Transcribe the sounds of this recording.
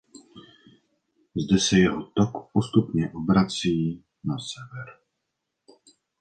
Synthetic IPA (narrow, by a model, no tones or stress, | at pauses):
zdɛsɛjɛɦot̪okpost̪upɲɛʔobɾat͡siː | nasɛvɛɾ